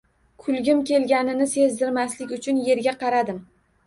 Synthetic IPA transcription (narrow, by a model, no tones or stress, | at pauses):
kʰʊlˠɡʲɪmkʲʰe̞lɡʲanɪnɪse̞zd̪ɪɾmaslɪkʲʊt͡ʃʰʊnje̞ɾɡʲaqʰɑɾad̪ɪm